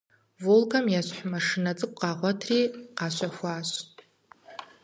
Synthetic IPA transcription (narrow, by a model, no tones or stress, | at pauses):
volkʰamjaʃʷħmaʂɨnat͡sʼɨkʷʼqʼɑʁʷatʰriːqaʃʷaxʷaːʃʷtʼ